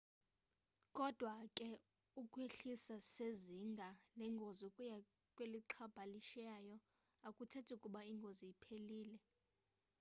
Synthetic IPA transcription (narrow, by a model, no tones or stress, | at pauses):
kʼɔd̥ʱwakʼɛ | ukʼweɬisaseziŋɡʱalɛŋɡʱozukʼuja | kʼweliǁʰab̥ʱaliʃajɔ | akʼutʰɛtʰukʼuɓaiŋɡʱozijipʰeliːlɛ